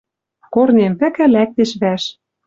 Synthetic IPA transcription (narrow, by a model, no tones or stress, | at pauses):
kornempɘ̆kɘ̆læk̚t̪eʃβæʃ